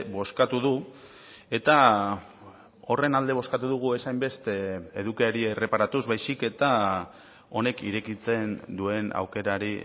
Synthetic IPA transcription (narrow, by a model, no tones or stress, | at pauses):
bo̞skat̪uðu | e̞t̪a | o̞re̞nald̪e̞β̞o̞skat̪uðuɣ̞ue̞sajmbe̞st̪eeðukiaɾie̞re̞paɾat̪uzβajsike̞t̪a | o̞ne̞kḭɾe̞kit͡se̞nd̪ue̞na̰wke̞ɾaɾi